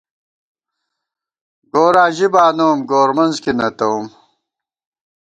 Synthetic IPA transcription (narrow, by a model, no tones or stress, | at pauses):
ɡoːɾaːʑibaːnoːmɡoːɾmɐnzkinɐt̪ɐum